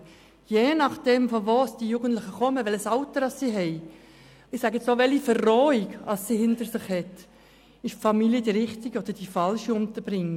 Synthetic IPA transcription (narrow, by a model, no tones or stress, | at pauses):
jeːnɑχd̥ɛmfɔvoːsd̥ijuːɡən̩tlɪχəkɔməʋɛləsɑʊtəɾɑsːiɦɛɪ | ɪsæːɡəɛt͡ssoːʋɛlifərːɔːiɡɑsːihɪntəɾsɪχhɛt | ɪʃfɑmiljədiɾɪχtiɡəod̥̪əd̥ifɑlʃiʊmt̪əb̥ɾɪŋː